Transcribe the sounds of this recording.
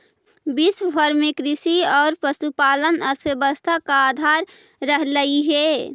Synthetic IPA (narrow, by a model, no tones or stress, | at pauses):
bisbʱəɾmekɾɪsiɔːɾpəsupaːlənəɾsəbəst̪ʰakaːd̪ʱaɾː | əɦləiɦɛ